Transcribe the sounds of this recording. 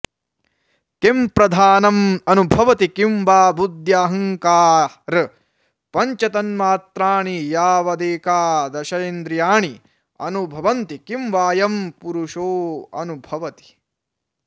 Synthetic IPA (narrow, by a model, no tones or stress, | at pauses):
kempɾɐd̪ʱaːnɐmɐnubʱɐʋɐt̪ikimʋaːbud̪jaːɦɐŋkaː | ɾ | pɐɲt͡ʃɐt̪ɐnmaːt̪ɾaːɳijaːʋɐd̪eːkaːd̪ɐʃɐjend̪ɾijaːɳi | ɐ̰nubʱɐʋɐnt̪ikimʋaːjɐmpuɾuʃoːɐ̰nubʱɐʋɐt̪i̥